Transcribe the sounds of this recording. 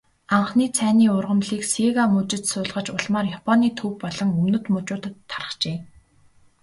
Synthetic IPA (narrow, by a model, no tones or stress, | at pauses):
aɴχniːt͡sʰæːniːʊrʁə̆mɮiːkseɣamɵt͡ɕɪ̆t͡ɕsʊːɮʁə̆t͡ɕʊɮmaːrjapʰɔniːt̪ʰɵw̚pɔɮɞ̆ŋɵmnɵ̆t̪mɵt͡ɕʊːt̪tʰːarə̥̆χt͡ɕeː